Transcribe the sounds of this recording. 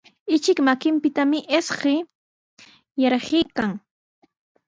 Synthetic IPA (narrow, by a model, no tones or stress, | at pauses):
ɪt͡ʃɪkmakɪmpɪt̪amɪʔesɢɪ | jɑɾɢɪjkaŋ